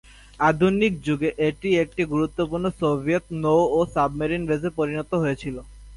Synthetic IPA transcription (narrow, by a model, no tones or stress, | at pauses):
ad̪ʱunik̚d͡ʑuɡeʔeʈiek̚ʈiɡuɾut̪ːopuɾnosobʱijet̪nowosabmeɾinbed͡ʑepoɾinɔt̪oɦojet͡ɕʰilo